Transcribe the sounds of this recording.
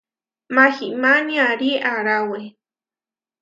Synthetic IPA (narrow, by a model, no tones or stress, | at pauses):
maximaniaɾiʔaɾawe